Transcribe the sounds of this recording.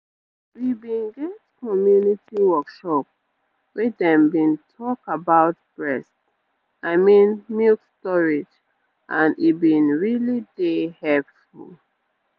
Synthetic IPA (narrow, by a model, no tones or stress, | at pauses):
wibĩnɡɛtkɔmjunitiwɔkʃɔp | wɛdɛ̃mbĩntʰɔkabaʊt̚b̥ɹɛst | aɪmĩnmilkstɔɹid͡ʒ | ʔãnibĩnɹilidehɛpfṵl